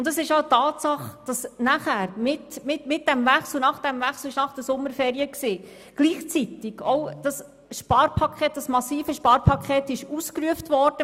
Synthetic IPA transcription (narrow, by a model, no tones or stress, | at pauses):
ʊndɑsɪʃɑʊtɑːtsɑχd̥ɑsnæχæːɾmɪtmɪtmɪt̚d̥ɛmvæχsl̩ˠnɑχd̥ɛmvæχsl̩ɪʃnɑχd̥əsʊmːəɾfɛːɾiəksiː | ɡ̥liːχt͡sit̪ɪɡ̥ɔwd̥ɑs | ʃpɑːɾpʰɑkʰχɛːt̚d̥ɑsmɑsiːfəʃpɑːɾpʰɑkʰχɛːt̪ɪʃuskɾyəftvɔɾd̥ə